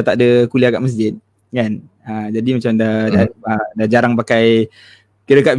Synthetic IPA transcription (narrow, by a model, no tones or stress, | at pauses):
t̪aʔdəkuliaɡa̰ʔməs̬d͡ʒɪt̪̚ | kan | əd͡ʒadimat͡ʃamdadaədad͡ʒaɾaŋpakaj | kəɾəkaʔb